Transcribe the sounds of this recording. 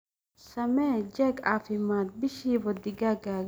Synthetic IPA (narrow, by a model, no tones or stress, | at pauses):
sɐmɛːd͡ʒɛɡa̰ːfɪmːaːnbɪʃiːwɔd̪ɪɡaɡa